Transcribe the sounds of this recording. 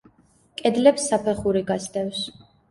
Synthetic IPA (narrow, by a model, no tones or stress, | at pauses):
kʼɛd̪lɛpsːapʰɛχuɾiɡasd̪ɛfs